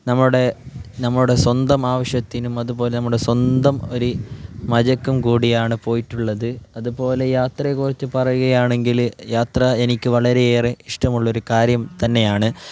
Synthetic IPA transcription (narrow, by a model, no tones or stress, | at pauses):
nɐmːɐɭuɽe̞nɐmːɐɭuɽe̞swɐnd̪ɐmaːʋɐɕjɐt̪ːinumɐðupo̞ːlenɐmːuɽe̞swɐnd̪ɐmo̞ɾumɐðɐkːumkuːɽijaːɳɨpo̞ːjiʈːuɭːɐðɨɐðupo̞ːle̞jaːt̪rɐjkːurit͡ɕːɨpɐrɐjuɣɐjaːɳe̞ŋɡiljaːt̪rɐe̞nikʲːɨʋɐɭɐɾe̞jeːreiʂʈɐmuɭːɐoɾukaːɾjɐmt̪ɐnːe̞jaːɳɨ